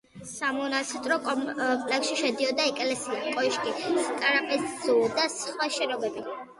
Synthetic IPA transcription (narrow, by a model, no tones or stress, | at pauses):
samɔnast̪ʼɾɔkʼɔpʼlɛksʃiʃɛd̪iɔd̪aɛkʼlɛsiakʼɔiʃkʼiskʼaɾapʼɛsz̥ud̪asχwaʃɛnɔbɛbi